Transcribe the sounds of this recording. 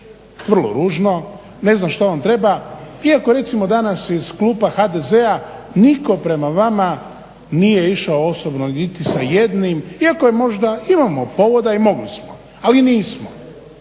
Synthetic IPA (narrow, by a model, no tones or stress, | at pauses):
ʋr̩lˠo̞̰ɾuːʒno̞ | ne̞znamʃt̪oʋamt̪ɾe̞baiako̞ɾe̞t̪simo̞d̪anasizkluːpaxad̪e̞ze̞a | niko̞pɾe̞maʋama | nije̞iʃaoo̞sobnonit̪isaje̞d̪nimiako̞jemo̞ʒd̪aimamo̞po̞ʋo̞d̪aimo̞ɡlismo | aliniːsmo